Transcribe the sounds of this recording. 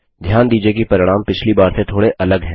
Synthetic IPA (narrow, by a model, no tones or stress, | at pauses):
d̪ʱjaːnd̪iːd͡ʒiek̬ipɐɾɪɽ̃aːmpɪt͡ʃʰlibaːɾset̪ʰoːɽeʔɐləɡɦɛ̃ː